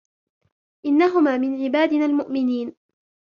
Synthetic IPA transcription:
ʔɪnːaɦʊmaːmɪnʕɪbaːd̪ɪnaːlmʊʔmɪniːn

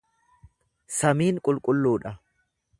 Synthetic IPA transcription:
sɐmiːŋkʼʊlkʼʊlːuːᶑɐ

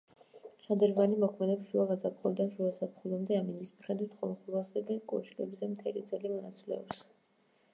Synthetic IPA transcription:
ʃad̪ɛɾvanimɔkʰmɛd̪ɛpsʃuaɡasapχulˠd̪anʃuasapχulamd̪ɛaminismχɛd̪it̪χɔlˠχuɾasɛbɛkʼɔ̰ʃilɛbzɛmt̪ʰɛlid̪sʼɛlimɔnat̪sʼilɛ̰ɔps

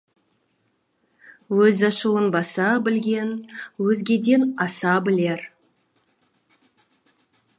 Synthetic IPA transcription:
wɵzɑʃuwənbɑsɑbɪlɡʲe̞nwɵzɡʲe̞d̪e̞nɑsɑbɪle̞ɾ

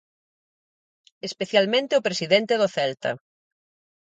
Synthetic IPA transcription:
espeθjalmẽnt̪eopɾesiðent̪eðoθɛlt̪ɐ̰

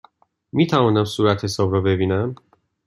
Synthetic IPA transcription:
mʲit̪ʰaɔnamsuɾat̪ʰɛsɔbɾɔvevʲinɛm

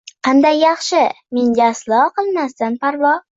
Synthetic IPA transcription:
qʰɑnd̪ajːɑχʃɪ | meŋʲaslˠɒqʰɨlˠmast̪anpʰaɾvɒ

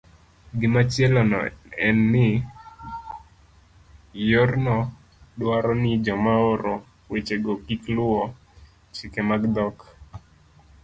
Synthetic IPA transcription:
ɡɪmat͡ʃɛlɔnɔ̰ɛnːɪ | jornɔ | dwaɾɔnɪd͡ʒɔmaoɾo | wet͡ʃeɡɔkiklʊɔ | t͡ʃɪkemaɡd̪ɔk

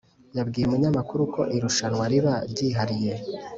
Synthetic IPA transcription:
jabɡiːjemuɲamakuɾukʰo̞ʔiɾuʃanwaɾiβaɾɟiːɦaɾije̞

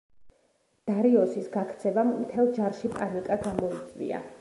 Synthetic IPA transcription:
d̪̥aɾiɔsisɡakʰt̪sʰɛvamːt̪ʰɛlˠd͡ʒaɾʃipʼaɾikʼaɡamɔit̪sʼvḭa̰

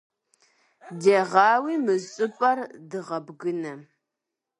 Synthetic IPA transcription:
dɐʁɑːwiːmɨzɕʼɨpʼɐrdɨʁɐbɡɨnɐ

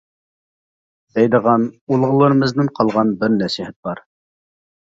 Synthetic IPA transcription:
d̪ɛjd̪əʁɑnulˠʁəlˠəɾɨmɨznɪɴqʰɑlˠʁɑnbɪɾnæʃihɛt̪̚b̥ɑɾ

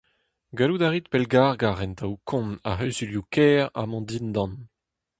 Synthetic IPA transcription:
ɡalud̪aʁit̪̚pɛlɡaʁɡaʁɛnt̪ʰawkʰɔ̃na̰ɦœɥzyljukɛːʁa̰mɑ̃d̪ind̪ɑ̃n

